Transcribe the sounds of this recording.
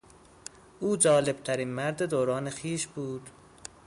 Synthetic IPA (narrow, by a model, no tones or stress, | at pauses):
ʔuːd͡ʒɒːle̞b̥̚t̪ʰæɾiːnmæɾd̪ed̪oːɾɒːnexiːʃbuːd̪̥